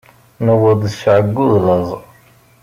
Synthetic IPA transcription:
nəwəd̪ˤʃʕəɡːuðləzˤ

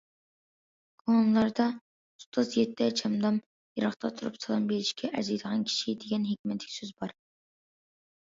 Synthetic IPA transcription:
ɡ̥onlˠɑɾd̪ɑ | ust̪ʰːɑzjɛt̪ʰːɛt͡ʃʰɛmd̪ɑm | jɑɾɑχt̪ʰɑt̪ʰuɾupsɑlˠɑmbelɪʃkʲɛʔɛ̰zijd̪əʁɑnkʲʰi̥ʃid̪eɡʲɛnɦekʲmɛt̪ʰlɪ̥kʲsøzbɑɾ

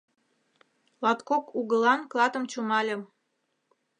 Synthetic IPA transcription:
lɑt̪kokuɣə̆lɑnklɑt̪ə̆mt͡ɕumɑlʲə̆m

